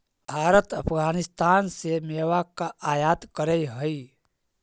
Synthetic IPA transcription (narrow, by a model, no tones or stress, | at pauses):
bʱaːɾət̪əpʰɡaːnɪst̪aːnsemeːwakaʔaːjaːt̪kəɾəiɦəi